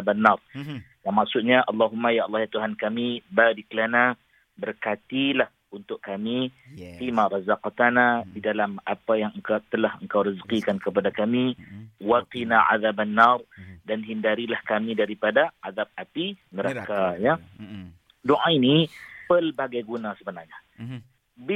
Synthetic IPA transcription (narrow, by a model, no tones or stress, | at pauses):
abanːar | jaŋmaksʊt̪̚ɲaʔɑlːɑɦumːajaʔlːɑhjat̪uɦankamibadikəlana | bərkat̪ilah | unt̪ʊʔkamifimaɾˤɑzaqt̪anadidalamapajaŋəŋkat̪əlahəŋkawɾəzəqikankəpadakamiwaqinaʔa̰ðabanːarˤdanɦindaɾilahkamidaɾipadaʔaðab̚apinəɾakaja | doʔainipərbaɡajɡunasəbənaŋɲa | b